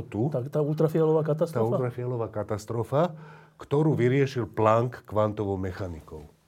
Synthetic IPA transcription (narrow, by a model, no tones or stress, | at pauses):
t̪ut̪aːult̪ɾafɪalɔʋaːkat̪ast̪aɔːult̪ɾafialɔʋaːkat̪ast̪ɾɔfakt̪ɔɾuːʋiɾɪɛʃilplaːŋkːʋant̪ɔʋɔʊmɛxanikɔʊ